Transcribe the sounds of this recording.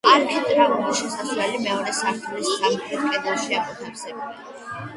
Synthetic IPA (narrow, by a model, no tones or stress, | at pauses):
aɾpʰɛt̪ʼɾaɔmɔʃɛsaslɛlimɛɔɾɛsaɾt̪ʰulissʰamukiɾkʼwɛd̪aʃiamɔt̪ʰaɾsɛbuli